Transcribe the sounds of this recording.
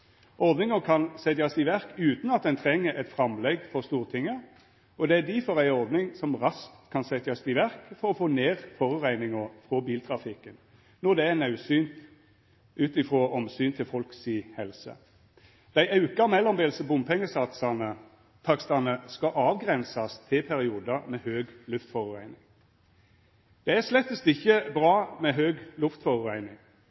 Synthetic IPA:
ʔɔʁd̪nɪŋəkʰɑnsɛt̪jɑsɪʋæʁkʉːt̪nɑt̪̚d̪ɛnt̪ʰʁɛŋːəʔɛt̪fʁɑmlɛɡfɔʁst̪uːʁt̪ʰɪŋːə | ɔd̪ɛæd̪ɪfɔʁæɪɔʁd̪nɪŋsɔmʁɑskt̪kʰɑnsɛt̪ɑsd̪ɪʋæʁkfɔʁɔfoːneːʁfɔʁʉʁæɪnɪŋəfʁɔbiːlt̪ʰʁɑfɪkːən | nɔd̪ɛænɑʉsyːn | ʔʉːt̪ɪfʁoːʔɔmsyːnt̪ʰɪlfɔlksiːhɛlsə̰ | d̪̥æɪʔɑʉkɑmɛlːɔmbeːlsəbʊmpʰɛŋːəsɑt̪sɑnə | t̪ʰɑkst̪ɑnəskɑʔɑːʋɡʁɛnsɑst̪ʰɪlpʰæɾɪuːd̪ɑmɛhøːɡlʉft̪fɔʁʉʁæɪnɪŋ | d̪̥ɛæslɛt̪ːəst̪ɪçəbʁɑːmɛɦøːɡlʉft̪fɔʁʉʁæɪnɪŋ

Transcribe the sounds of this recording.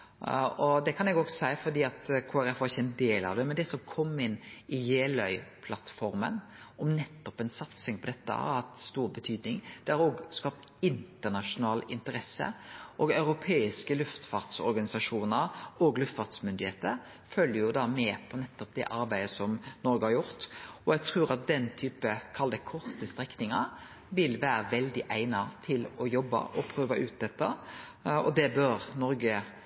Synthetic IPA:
ɔd̪ɛkʰɑnɛɡɔɡsæɪfɔɾd̪iːɑt̪kʰoːæɾɛfʋɑɾɪçːəɛnd̪eːlɑ̰ʋd̪ɛmɛnd̪ɛsɔmkʰɔmːɪnːɪjeːlœʏpʰlɑt̪ːfɔɾmə̰n | ɔmnɛt̪ːɔpɛnsɑt̪sɪŋpʰɔd̪ɛt̪ːə̰æ̰ɑt̪st̪uːɾbət̪ʰyːd̪nɪŋd̪̥ɛɑɾoːɡskɑːpt̪ɪnt̪əʁnɑʂʊnɑːlɪnt̪əɾɛsːə̰ʔɔːɡœʉɾʊpʰeːɪskəlʉft̪fɑɾt̪sɔ̰ɾɡɑnɪsɑʂuːnəɾoːɡlʉft̪fɑʁt̪smʏnd̪ɪheːt̪əɾ | fœljəjʊd̪ɑːmɛːpʰɔnɛt̪ːɔp̚d̪ɛ̰ʔɑɾbæɪd̪əsɔmnɔɾɡəhɑɾjʊɾt̪ɔjɛɡ̚t̪ʰɾuːɾɑt̪̚d̪ɛnt̪ʰyːpəkʰɑld̪əkʰɔɾt̪əst̪ɾɛknɪŋɑɾ | ʋɪlʋæːɾəʋɛld̪ɪʔæɪnɑt̪ʰɪlɔjɔbːɑ̰ʔɔpʰɾøːʋɑʔʉːt̪̚d̪ɛt̪ːɑ | ɔ̰d̪ɛbœɾnɔɾɡə

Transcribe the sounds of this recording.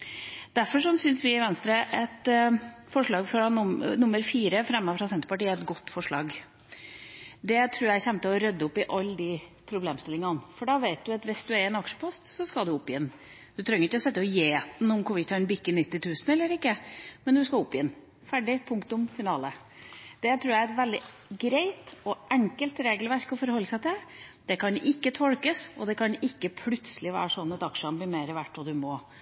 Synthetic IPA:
d̪̥æɾfɔʂɔnsʏnsʋɪɪʋɛnst̪ɾəʔɛt̪fɔʂɭɑːɡfɔɾnʊnʊmːəɾfiːɾəfɾɛmːɑfɾɑsɛnt̪ɾəpɑʈiːəɛt̪ɡɔt̪ːfɔʂɭɑ̰ːɡ | d̪ɛt̪ʰɾʉːɾjæɛçɛnt̪əɔɾœd̪ːəʊpːɪʔɑlːəd̪ɪpʰɾʊbleːmst̪ɪlɪŋɑnfɔɖɑʋæɪt̪̚d̪ʉɑt̪ʋɪsd̪ʉæɾɛnɑkʂə̥pʰɔst̪sɔskɑld̪ʉʊpːjɛnː | d̪̥ʉt̪ʰɾœŋːəɾɪkːəɔsɛt̪ːəpjeːt̪n̩ʊmkʰʊʋɪt̪ʰɑɛnbɪkːɪnɪt̪ːɪt̪ʰʉːsən̩ɛlːəɾɪkːəmɛnd̪ʉskɑʊpːjɪnː | fæɖɪpʰʊŋkt̪ʊmfɪnɑːlə | d̪̥ɛt̪ʰɾʉːjæɛt̪ʋɛld̪ɪ | ɡɾeɪt̪ɔɛŋkəlt̪ɾeːɡəlʋæɾkɔfɔɾhɔlːəsæɪt̪ʰɪld̪̥ɛkʰɑnʔɪkːət̪ʰɔɽkəsɔd̪ɛkʰɑnɪkːəpʰlʉt̪səlɪʋæ̰ːɾəʂɔnːɑt̪ɑkʂəɑnblɪɾmeːɾəʋæʈːɔd̪ʉmoː

